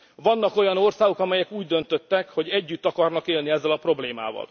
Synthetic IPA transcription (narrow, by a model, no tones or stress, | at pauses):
vɒnːɒko̞jɒno̞rsaːɡo̞kɒmɛjɛkuːɟd̪ø̞nt̪øt̪ːɛkho̞ɟɛɟːyt̪ːɒkɒrnɒkeːlniɛzːɛlɒpro̞bleːma̰ːvɒ̰l